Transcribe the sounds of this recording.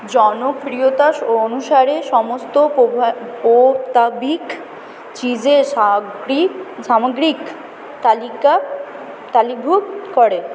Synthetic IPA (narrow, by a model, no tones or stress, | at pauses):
d͡ʑɔnofɾiot̪aʃoonuʃaɾeʃɔmost̪opobpot̪abik | t͡ɕid͡ʑeʃaɡɾisamaɡɾik | t̪alika | t̪alibʱukkɔɾe